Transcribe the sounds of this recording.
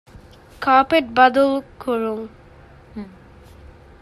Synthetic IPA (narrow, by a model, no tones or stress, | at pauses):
kapeʈ̚bad̪olkoɾuŋ